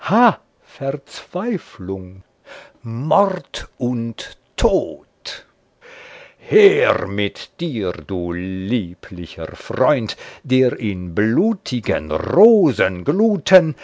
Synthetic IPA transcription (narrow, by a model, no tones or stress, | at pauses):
ha | fɛʁt͡sv̥aɪflʊŋ | mɔʁtʔʊntʰː | oːt | heːʁmɪtd̥iːʁduːliːpʰlɪçə̰ʁfʁɔʏntd̥eːʁɪnbluːtʰɪɡə̰nʁoːzənɡluːtʰən